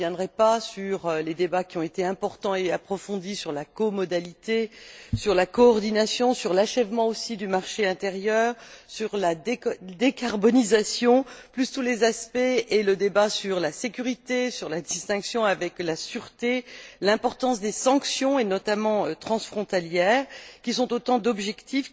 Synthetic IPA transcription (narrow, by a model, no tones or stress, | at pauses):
jɛ̃d̪ʁɛpasyʁøled̪ebakʲiɔ̃et̪eɛ̃pɔʁt̪ɑ̃eapχɔfɔ̃d̪isyʁlakɔmɔd̪alit̪esyʁlakɔːʁd̪inasjɔ̃syʁlaʃɛvmɑ̃osid̪ymaʁʃeɛ̃t̪eʁjœːʁsyʁlad̪ekaʁbɔnizasjɔ̃plyst̪ulezaspɛeləd̪ebasyʁlasekʲyʁit̪esyʁlad̪ist̪ɛ̃ksjɔ̃avɛklasyʁt̪elɛ̃pɔʁt̪ɑ̃sd̪esɑ̃ksjɔ̃enɔt̪amɑ̃øt̪χɑ̃sfχɔ̃t̪aljɛːʁkʲisɔ̃t̪ot̪ɑ̃d̪ɔbʒɛkt̪if